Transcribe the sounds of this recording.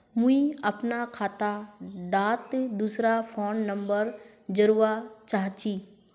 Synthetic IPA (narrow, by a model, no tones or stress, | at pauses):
mũiəpnakʰaːt̪aɖaːt̪d̪uːsɾapʰoːnːə̃mbəɾ | d͡ʒəɾuːat͡ʃaːɦt͡ʃiː